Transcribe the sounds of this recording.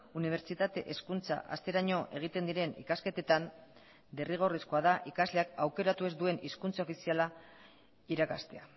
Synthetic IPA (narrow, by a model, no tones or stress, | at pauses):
uniβ̞e̞ɾt͡ʃit̪at̪e̞̰ʔeskunt͡sa̰ʔa̰st̪e̞ɾaɲo̞ʔe̞ɣ̞it̪e̞nd̪iɾe̞nḭkaske̞t̪e̞t̪an | d̪eriɣ̞o̞risko̞að̞aʔikazle̞akawke̞ɾat̪ue̞zd̪ue̞niskunt͡sao̞fisiala | iɾakast̪e̞a